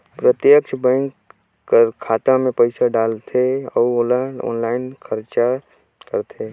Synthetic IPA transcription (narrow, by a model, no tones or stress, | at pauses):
pɾət̪jəkʃbə̃ŋkː | əɾkʰːaːt̪amẽpəɪsaɖaːlt̪ʰeɔːɔːlaɔ̰ːnlaːɪnkʰəɾt͡ʃa | kəɾt̪ʰe